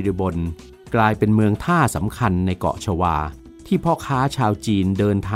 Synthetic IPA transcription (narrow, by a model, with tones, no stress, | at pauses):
ɾi˧bo˧n | klaː˧jpe˧nmɯ˧əŋt̪ʰaː˥˩sa̰˩˦mkʰa˧nːa˧jkɔ̰˨˩ʔt͡ɕʰa˧waː˧ | t̪ʰiː˥˩pʰɔ˦˥kʰaː˦˥t͡ɕʰaː˧wt͡ɕiː˧ndɤː˧nt̪ʰaː˧